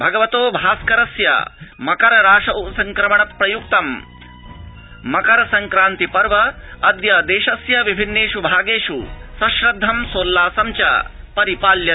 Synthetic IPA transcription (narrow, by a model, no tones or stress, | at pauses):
bʱɐɡɐʋɐt̪oːbʱaːskɐɾɐsjɐ̰mɐkɐɾɐɾaːʂɐʔusɐŋkɾɐmɐɳɐpːɾɐjukt̪ɐm | ɐkɐɾɐsɐŋkɾaːnt̪ipɐɾʋɐɐd̪jɐd̪eːʃɐsjɐʋibʱinːeːʂubʱaːɡeːʂusɐʃɾɐd̪ʱːɐmsoːlːaːsɐmt͡ʃɐ̰ | pɐɾipaːljɐ